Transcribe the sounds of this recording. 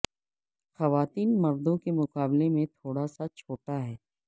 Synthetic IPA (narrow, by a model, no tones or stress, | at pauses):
xɐʋaːt̪iːnmɐɾd̪õkemʊqaːblemẽt̪ʰoːɽasat͡ʃʰoːʈaɦɛː